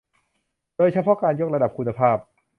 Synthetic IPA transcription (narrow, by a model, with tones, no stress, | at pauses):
doː˥˩jt͡ɕʰa˥jpʰɔː˥˩kaː˧njo˥˩k̚ɾa˧da˨˩p̚kʰu˧nːa˧pʰaː˥˩p̚